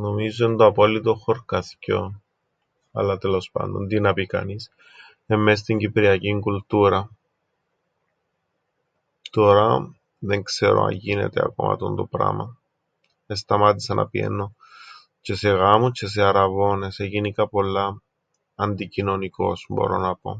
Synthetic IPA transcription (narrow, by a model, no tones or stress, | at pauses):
no̞mizoind̪oɐpo̞lːit̪oxo̞ɾkɐθco̞ | ɐlɐt̪elo̞spɐ̰nd̪o̞̰nt̪inɐpikɐ̰nis | emːes̬t̪iɲɟipɾiɐciŋkult̪uɾɐ | t̪o̞ɾɐ | ðe̞ŋkse̞̰ɾo̞̰ɐ̰ɲʝine̞̰t̪eɐ̰ko̞̰mʔɐ̰t̪ond̪o̞pɾɐ̰mɐ̰ | e̞st̪ɐmɐt̪isɐnʔɐ̰piḛnːo̞ | ce̞se̞ɣɐmot͡ʃʰe̞s̬eɐɾɐvo̞ne̞seʝinikɐpo̞lːɐː | nd̪icino̞niko̞̰sbo̞̰ɾo̞̰nɐpo̞̰